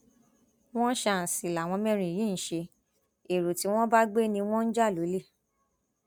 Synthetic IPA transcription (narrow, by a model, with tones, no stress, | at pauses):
w̃ɔ̃˦ʃa˦˨si˨la˨w̃ɔ̃˧mɛ̃˦ɾ̃ĩ˨jĩ˨˦ñ̩˨ʃe˧ | e˨ɾo˨ti˨˦w̃ɔ̃˦ba˦ɡ͡be˦nĩ˧w̃ɔ̃˦n̩˦d͡ʒa˦˨lo˨˦le˦˨